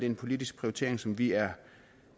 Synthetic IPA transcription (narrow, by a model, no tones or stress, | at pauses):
d̥e̝enpʰo̝lidisɡ̥pʰʁiot͡sʰe̝̰ɐ̰eŋsɒ̽mʋiæɐ